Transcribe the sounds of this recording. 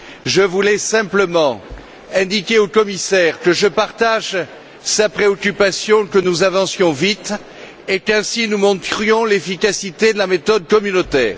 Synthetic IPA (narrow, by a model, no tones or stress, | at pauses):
ʒəvulɛsɛ̃pləmɑ̃ | ɛ̃d̪ikʲeokɔmisɛʁkəʒəpaʁt̪aʒ | sapχeɔkʲypasjɔ̃kənuzavɑ̃sjɔ̃vit̪ | ekɛ̃sinumɔ̃t̪χjɔ̃lefikasit̪ed̪əlamet̪ɔd̪̚kɔmynot̪ɛ̰ːʁ